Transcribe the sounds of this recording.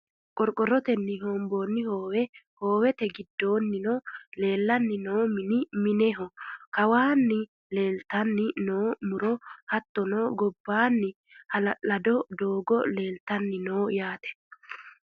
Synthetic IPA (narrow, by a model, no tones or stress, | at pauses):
kʼɔɾkʼːɔɾɔt̪ɛnːɪɦoːmboːnːɪhoːwɛhoːwɛt̪ɛɡɪd̪ːo̞ːnːɪnoːle̞ːlːɐnːɪnoːmɪnɪmɪnɛɦɔkɐwaːnːɪ | le̞ːlt̪ɐnːɪnoːmʊɾɔhɐt̪ːɔnoːɡɔbːaːnːɪ | hɐlɐlɐd̪ɔd̪oːɡɔle̞ːlt̪ɐnːɪnoːjaːt̪ɛ̥